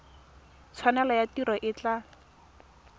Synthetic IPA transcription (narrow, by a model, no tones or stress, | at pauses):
t͡sʰwanɛlɔjatiɾɔʔɪt͡ɬa